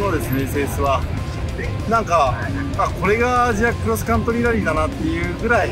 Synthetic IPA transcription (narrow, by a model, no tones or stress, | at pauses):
no̞d̪e̞sɨne̞se̞ːsɨβa | nãŋka | ako̞ɾe̞ɡaʑiakɯ̟ɾo̞s̬ɨ̥kãnt̪oɾʲiɾaɾʲid̪anat̪ːe̞jɯ̟ːɡɯ̟ɾai